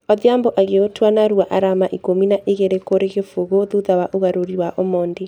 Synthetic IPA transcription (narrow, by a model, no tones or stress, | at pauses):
ɔðjamboʔaɣeotwanaɾuaʔaɾamaʔikominaʔeɣeɾekoɾeɣefuɣoðuðawaʔoɣaɾoɾiwaʔomɔːnde